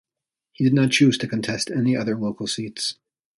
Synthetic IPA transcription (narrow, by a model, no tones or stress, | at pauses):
hidɨdⁿnət̚t͡ʃʰʉz̥tʰɨkʰɨ̃n̩tʰɛstʰɛniʔʌðə˞loʊkl̩ˠsits